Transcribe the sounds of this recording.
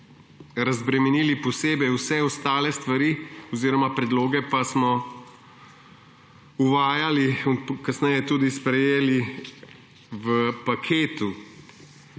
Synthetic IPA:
ɾazbɾɛmɛniːlipɔseːbɛwsɛɔst̪aːlɛst̪ʋaɾiːɔziːɾɔmapɾɛd̪loːɡɛpasmɔ | uʋaːjalikasnɛjɛt̪uːd̪ispɾɛjeːli | ʋəpakʰeːt̪u

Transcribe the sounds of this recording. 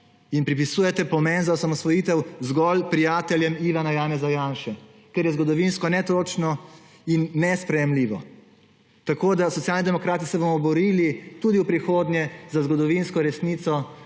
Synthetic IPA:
inpɾip̬isuːjɛt̪ɛpɔmɛnzawsamɔst̪ʋɔjiːt̪ɛwzɡɔlpɾijaːt̪ɛljɛmiʋanajaːnɛzajaːnʃɛ | kɛɾjɛzɡɔd̪ɔʋinskɔnɛt̪ot͡ʃnɔ | inːɛspɾɛjɛmliːʋɔ | t̪akoːd̪asɔt̪sjaːlnʲid̪ɛmɔkɾaːt̪isɛbomɔbɔɾiːlit̪uːd̪iwpɾixoːd̪nʲjɛzazɡɔd̪ɔʋinskɔɾɛsnit̪sɔ

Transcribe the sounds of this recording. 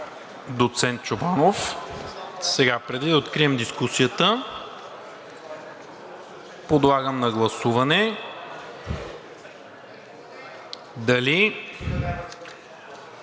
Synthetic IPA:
d̪ot̪sɛnt̪̚t͡ʃobanof | sɛɡapɾɛd̪id̪ɐot̪kɾiɛmd̪iskusijət̪ə | pod̪lˠaɡəmnɐɡlˠɐsuvɐnɛ | d̪ɐli

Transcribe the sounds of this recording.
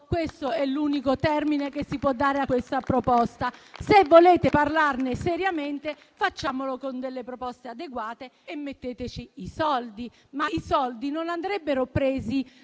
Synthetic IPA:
kwest̪oɛlːuːnikot̪ɛrminekesːipwɔd̪ːaːɾeakːwest̪apɾopɔst̪asevːoleːt̪eparlarnesɛɾjament̪e | fat͡ʃːaːmolokond̪elːepɾopɔst̪ead̪eɡwaːt̪eːmːet̪ːeːt̪et͡ʃiisɔld̪i | maisɔld̪inonand̪ɾɛbːeɾopɾeːzi

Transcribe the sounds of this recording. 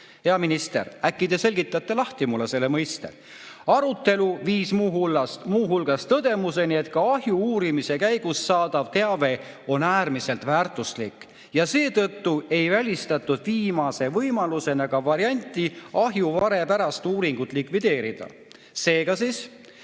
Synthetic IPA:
he̞ɑminist̪e̞̰ɾækːid̪̥e̞se̞lʲɡit̪ːˑɑt̪ːe̞lɑht̪imulːese̞lːemɤjst̪ḛ | ɑɾut̪ːˑe̞luviːsmuːɦulːɑst̪muːɦulɡ̥ɑst̪ɤd̪̥e̞muse̞nie̞t̪̚kɑɑɦjuuːɾimise̞kæjɡ̥usːɑːd̪̥ɑvt̪e̞ɑve̞ | o̞næːɾmise̞lt̪ˑvæːrt̪ˑuslikːˑ | jɑse̞ːt̪ɤt̪ːue̞jvælʲist̪ɑt̪ːˑud̪̥viːmɑse̞vɤjmɑluse̞nɑɡɑvɑɾiɑnʲt̪ːˑiɑɦjuvɑɾe̞pæɾɑst̪uːɾiŋɡ̥ut̪ːˑlikvid̪e̞ːɾid̪̥ɑ̰ | se̞ːɡ̥ɑsis

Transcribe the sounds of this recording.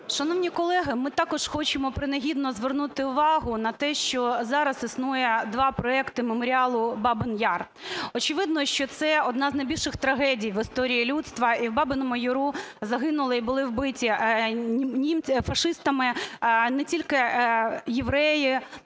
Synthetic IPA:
ʃɐnɔwnʲikɔlˠɛɦɪmɪt̪ɑkɔʂxɔt͡ʃɪmɔpɾɪnɐɦʲid̪nɔzʋernut̪ɪʊʋɑɦʊnɐt̪ɛʃt͡ʃɔzɑɾɐsisnujɛd̪ʋɑpɾɔɛkt̪ɪmemɔɾʲɪɑlˠʊbɑbɪnjɑr | ɔt͡ʃɪʋɪd̪nɔʃt͡ʃɔt̪sɛɔd̪nɑznɐjbʲilʲʃɪxt̪ɾɐɦɛdʲijʋɪst̪ɔɾʲijilʲut̪st̪ʋɐiwbɑbɪnɔmʊjʊɾuzɐɦɪnʊlˠɐibʊlˠɪwbɪtʲi | nʲimʲfɐʂɪst̪ɐmɪnɛtʲilʲkɪ | jeʋɾɛji

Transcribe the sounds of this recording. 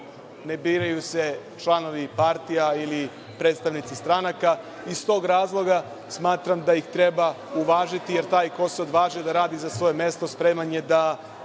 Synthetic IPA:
ne̞biːɾajuset͡ʃlˠano̞ʋipaɾt̪ijaili | pɾe̞ːt̪st̪aʋnit̪sist̪ɾanaka | ist̪o̞ːɡɾaːzlˠo̞ɡa | smaːt̪ɾamd̪ajixt̪ɾe̞ba | uʋaːʒit̪ije̞ɾt̪aːjko̞seod̪ʋaːʒiod̪aɾaːd̪izasʋo̞jeme̞st̪o̞spɾe̞maɲe̞d̪a

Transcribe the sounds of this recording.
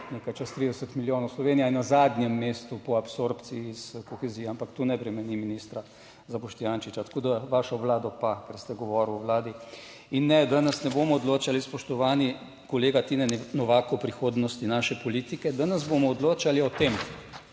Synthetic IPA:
nekajt͡ʃast̪ɾid̪ɛsət̪miljoːnɔwslɔʋeːnijainazad̪njɛmːeːst̪upɔapsoɾpt̪siːskɔxɛzijɛampakt̪unɛpɾɛmɛniminist̪ɾa | zabɔʃt̪ijaːnʃit͡ʃat̪ḁkoːd̪aʋaʃɔʋlaːd̪ɔpakɛɾst̪ɛɡɔʋɔɾwɔʋlaːd̪i | inːɛd̪anɐsnɛbomɔɔd̪loːt͡ʃalispɔʃt̪ɔʋaːni | kɔleːɡat̪inɛnnɔʋakopɾixoːd̪nɔst̪inaːʃɛpɔliːt̪ikɛd̪anɐzbomɔːd̪loːt͡ʃaliɔt̪em

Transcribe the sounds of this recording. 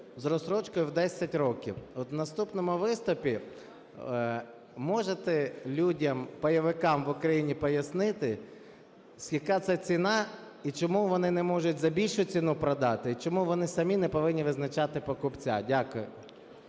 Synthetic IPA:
zɾɔsɾɔt͡ʃkɔjʊwd̪ɛsʲɐtʲɾɔkʲḭwɔt̪nɐst̪upnɔmʊʋɪst̪ʊpʲi | mɔʒet̪ɛlʲudʲɐmpɐjɐʋɪkɑmʋʊkɾɐjinʲipɔjɐsnɪt̪ɪ | zʲjɐkɑt̪sɛt͡sʲinɑ | it͡ʃɔmuʋɔnɪnɛmɔʒʊtʲzɐbʲilʲʃʊt͡sʲinupɾɐd̪ɑt̪ɪit͡ʃɔmuʋɔnɪsɐmʲinɛpɔʋɪnʲːiʋɪznɐt͡ʃɑt̪ɪpɔkʊpt͡sʲa̰dʲakʊjʊ

